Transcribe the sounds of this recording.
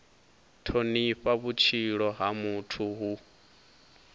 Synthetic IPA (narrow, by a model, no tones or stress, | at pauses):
tʰoniɸaβut͡ʃʰiɺɔɦamutʰuɦu